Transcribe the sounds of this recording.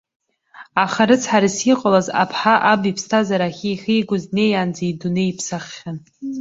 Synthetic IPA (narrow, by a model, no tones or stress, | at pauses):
aχaɾɨt͡sʰħaɾisiqʼalaza̰pʰħaʔabipʰstʰazaɾaχʲiːχʲijɡʷʊzne̞jand͡zaiduneipʰsaχːʲan